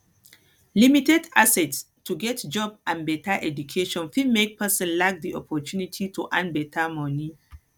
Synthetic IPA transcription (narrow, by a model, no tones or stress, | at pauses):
limitɛtasɛts | tːuɡɛtd͡ʒɔbãnbɛtʰaʔɛd͡ʒukʰeʃɔ̃nfimek̚pʰɛsɔ̃nlak̚d̪iɔpʰɔtunitʰitʰuʔãnbɛtʰamɔni